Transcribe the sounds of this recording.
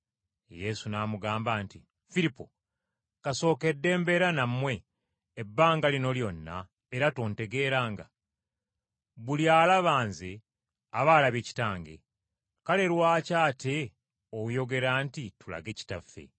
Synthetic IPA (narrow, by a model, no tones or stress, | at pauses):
je̞sunaːmuɡaːmbaːnti | fiɾipo̰ | kaso̞ːke̞dːe̞ːmbe̞ɾanamːwe̞ː | bːaːŋɡalino̞ljo̞nːa̰ | eɾatoːnte̞ɡe̞ːɾaːŋɡa̰ | βuljaːlaβaːnze | aβaːlaβeci̥taːŋɡe̞̰ | kale̞ɾwaːcaːte̞ | oujo̞ɡe̞ɾantitula̰ɡe̞ci̥tafːe̞̰